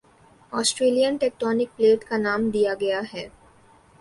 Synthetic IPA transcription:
ɔːsʈɾeːlijənʈeːk̚ʈɔːnɪk̚pleːʈkanaːmd̪ijaɡɐjaɦɛː

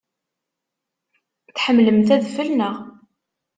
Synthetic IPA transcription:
θħəmːləmθæðfəlnəʁ

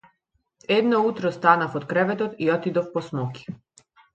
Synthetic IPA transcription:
ɛd̪nɔut̪ɾɔst̪anafɔt̪kɾɛvɛt̪ɔt̪iɔt̪id̪ɔfpɔsmɔki̥

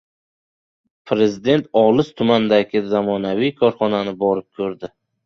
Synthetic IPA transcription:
pʰɾe̞zɪd̪e̞nt̪ʰɒlˠɪst̪ʰʊmand̪aɡʲɪzamɒnavijkʰɒɾχɒnanɪbɒɾɪp̚kʲʰɵɾd̪ɪ

